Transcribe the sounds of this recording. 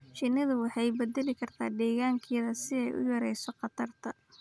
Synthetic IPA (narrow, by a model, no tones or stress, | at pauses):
t͡ʃɪnːɪðʊwɑħɑjbɐd̪ɛlɪkʰɐrt̪ʰa̰ːd̪ɛːɣaːŋkʰɛːðɐsɪɛjʔʊ̰jɐɾɛjsɔqɑt̪ʰɐrt̪ʰɐ